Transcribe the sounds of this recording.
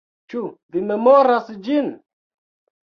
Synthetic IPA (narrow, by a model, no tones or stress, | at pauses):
t͡ʃuvime̞moɾasd͡ʒin